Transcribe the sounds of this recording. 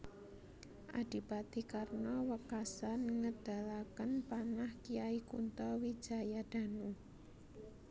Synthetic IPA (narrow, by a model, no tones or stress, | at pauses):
ʔa̰d̪̥i̤pat̪ikarnɔwəkasanŋəd̪̥a̤lakənpanahkiaikṵnt̪ɔwid̥ʒ̥a̤jad̪̥a̤nu